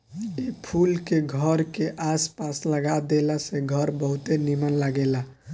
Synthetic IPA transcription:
epʰulkeɡʱəɾkeʔaspasləɡad̪elaseɡʱəɾbəɦut̪enimənlaɡela

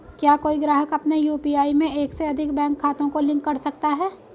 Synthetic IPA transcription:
kjaːkoːiɡɾaːɦəkɐpnejuːpiaːimẽeːkseɐd̪ʱɪkbɛ̃ːŋkʰːaːt̪õkolɪ̃ŋkːɐɾsɐkt̪aɦɛː

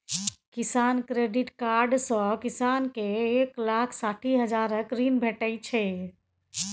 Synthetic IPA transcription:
kisankɾeɖiʈkaɾɖsɔ̃kisankeːklakʰsaʈʰiɦəd͡ʒaɾəkɾinbʱeʈəjt͡ʃʰɛ

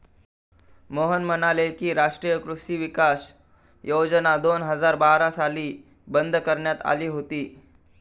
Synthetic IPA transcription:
moɦənmənalekiːɾaʂʈɾiːjəkɾuʂiːʋikas | jod͡ʑnad̪onɦəd͡zaɾbaɾasaliː | bənd̪ʱkəɾɳjat̪a̰liːɦot̪iː

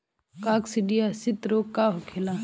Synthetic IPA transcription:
kaːksɪɖijasɪt̪ɾoːkːaːɦkʰelaː

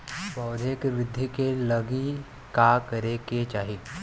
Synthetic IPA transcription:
bɐːd̪ʱekʋɾɪd̪ʱːikelɐɡi | kakɐɾeket͡ʃaːɦi

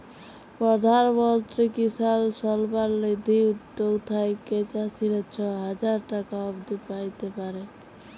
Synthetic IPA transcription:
pɔd̪ʱaɾbɔlt̪ɾikisalsɔlbaɾled̪iut̪joɡt̪ʰajket͡ʃasiɾɛt͡ʃʰɔɦəd͡ʒaɾʈakaɔbd̪ipajt̪epaɾe

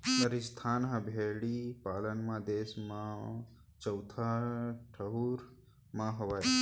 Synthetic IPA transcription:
nəɾist̪ʰaːnɦãbʱeɽipaːlənmãd̪esmã | t͡ʃəwt̪ʰaʈʰəɦuɾ | mãɦəʋaj

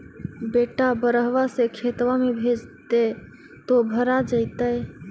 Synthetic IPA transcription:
beʈabəɾəɦʋasekʰet̪ʋamebʱed͡ʒt̪e | t̪obʱəɾad͡ʒəɪt̪əj

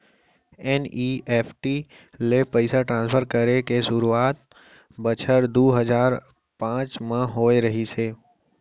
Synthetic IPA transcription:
eːnieːpʰʈi | lepəɪsaʈɾãːnspʰəɾkəɾekeʃʊɾuaːt̪̚ | bət͡ʃʰəɾd̪uːɦəzaːɾ | pãːt͡ʃmãɦoːeɾɐɦiseː

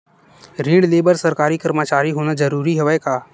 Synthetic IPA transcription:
ɾĩːɽɖleːbəɾsɐɾkaːɾikəɾmət͡ʃaːɾiɦoːnad͡ʒɐɾuːɾiɦoʋɛkaː

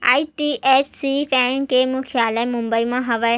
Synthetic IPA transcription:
a̰ːiʈiːʔeːt͡ʃsifʰɛ̃ːnkeːmũkʰjaːlɛmʊ̃mbəimãɦɐʋa

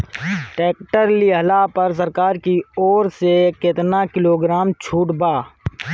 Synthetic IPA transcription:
ʈeːkʈəɾliɦəlapəɾs̬əɾkaːɾkiɔːɾsekɪt̪nakɪloːɡɾaːmt͡ʃʰuːʈbaː

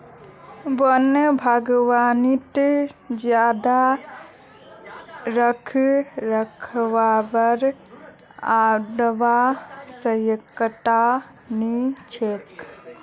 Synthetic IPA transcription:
bənəbʱaɡʋaːnit̪d͡ʒjaːd̪a | ɾəkʰɾəkʰʋabəɾ | aɖəʋasəjəkːəʈa | nit͡ʃʰek

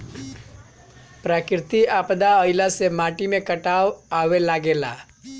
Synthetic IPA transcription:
pɾakɪɾt̪iapd̪aəɪlasemaːʈimẽkəʈaʋaʋelaɡela

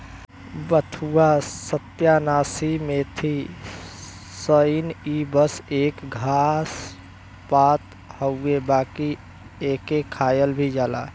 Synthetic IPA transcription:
bət̪ʰuasət̪janaːsimet̪ʰi | səjnibəseːkɡʱas | pat̪ | həuebaːki | ekekʰaːjəlbʱid͡ʒaːla̰

